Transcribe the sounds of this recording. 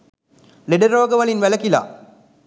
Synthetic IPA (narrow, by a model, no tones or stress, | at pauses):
leɖəɾoːɡəʋɐlinʋæləkila̰ː